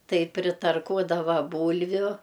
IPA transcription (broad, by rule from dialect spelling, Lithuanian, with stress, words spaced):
ˈtɐɪ pʲrʲɪtɐrˈkuɔdɐʋɐ ˈbuːlʲʋʲʊ